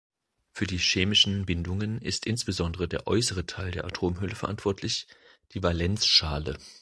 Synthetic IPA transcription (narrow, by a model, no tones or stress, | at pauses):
fyːɐdiːʃeːmɪʃn̩bɪndʊŋənɪ̰stʔɪnsb̥əzɔndəʁ̞ədeːɐʔɔʏsəʁ̞ətʰaɪldeːɐʔatʰoːmɦʏləfɛɐʔantv̥ɔɐtʰlɪç | d̥iːvalɛnt͡sʃaːlə